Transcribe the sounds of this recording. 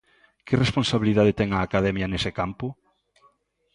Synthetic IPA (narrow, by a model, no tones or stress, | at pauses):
kɪresponsaβiliðað̞et̪ɛŋaːkaðɛmjanesɪkampʊ